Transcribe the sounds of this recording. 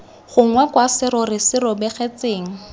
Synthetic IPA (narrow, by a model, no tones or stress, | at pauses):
χʊŋwɛkwasɪɾɔrɪsɪɾɔbɛχet͡seːŋ̩